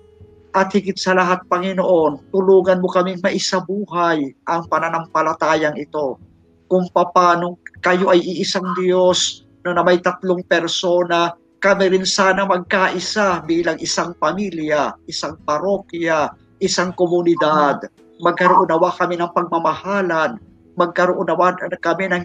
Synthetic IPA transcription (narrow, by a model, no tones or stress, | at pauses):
ʔɐt̪̚hɪɡɪt̪̚sɐlɐɦat̪̚pɐŋɪnoʔo̞nt̪ʊluːŋɐnmokɐmɪŋmɐʔɪsabuːɦajʔɐŋpɐnɐnɐmpɐlɐt̪aːjɐŋɪt̪o̞ | kʊŋpɐpaːnokɐjo̞ʔɐjʔɪʔɪsaŋd̪jo̞s | nɐnɐmɐjt̪ɐt̪loŋpɛɾso̞ːnɐ | kɐmɪɾɪnsaːnɐmɐɡ̚kaʔɪsabiːlɐŋʔɪsaŋpɐmiljaʔɪsaŋpɐɾokja | ʔɪsaŋkomʊnɪd̪ad̪ | mɐɡ̚kɐɾoʔʊnɐwakɐminɐŋpɐɡ̚mɐmɐhaːlan | mɐɡ̚kɐɾoʔʊnɐwakɐminɐŋ